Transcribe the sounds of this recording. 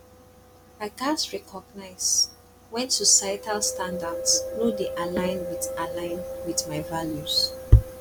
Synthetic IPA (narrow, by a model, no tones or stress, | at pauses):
aɪɡãsɹɛkʰɔɡnaɪs | wɛ̃ntɔsajtʰalstãndadsnodeʔalãɪnwidalãɪ̃nwiðmaɪvaljuz̥